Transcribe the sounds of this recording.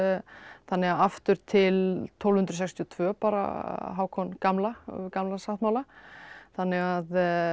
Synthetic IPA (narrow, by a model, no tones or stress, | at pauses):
θanːɛɣaaft̪ʏɾ̥t̪ʰɪlt̪ʰɔwlhʏnt̪ɾsɛkst̪ʰjɔt̪ʰvœːpaːɾa̰ɦaːwkʰɔnkamlakamlasaht̪mawlaθanːɛɣað